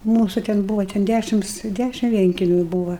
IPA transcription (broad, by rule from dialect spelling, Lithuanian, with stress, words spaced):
ˈmuːsʊ tʲɛn ˈbuːʋɐ tʲɛn ˈdʲæʃʲɪms ˈdʲæʃʲɪm ˈʋʲiɛŋʲkʲɛmʲʊ ˈbuːʋɐ